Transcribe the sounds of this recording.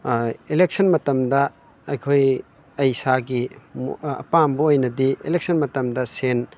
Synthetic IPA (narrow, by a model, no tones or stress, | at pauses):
elek̚sʰɐnmɐtɐmdɐ | ɐjkʰoj | ɐjsaɡimɐ̰pambuojnɐdielek̚sʰɐnmɐtɐmdɐsen